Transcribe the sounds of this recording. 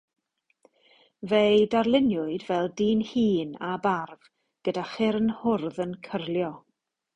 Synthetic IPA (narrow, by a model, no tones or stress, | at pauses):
vejdarlˠɪnjʊɨdvɛlˠdiːnhiːnabarv̥ | ɡ̥ədaχɪɾnhʊrðənkʰərlˠjɔ